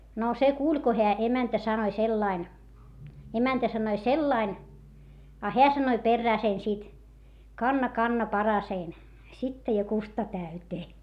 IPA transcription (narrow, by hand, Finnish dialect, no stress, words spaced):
no se kuːlʲ ko heæ emæntæ sɑnoĭ selːɑin emæntæ sɑnoi selːɑin ɑ heæ sɑnoĭ perːæː sen sit kɑnːɑ kɑnːɑ pɑrɑsein sitːɑ jɑ kustɑ tæyteː